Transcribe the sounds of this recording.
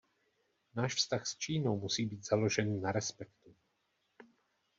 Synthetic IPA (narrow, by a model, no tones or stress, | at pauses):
naːʃfst̪axst͡ʃiːnowmusiːbiːt̪z̥alo̞ʒɛnːaɾɛspɛkt̪u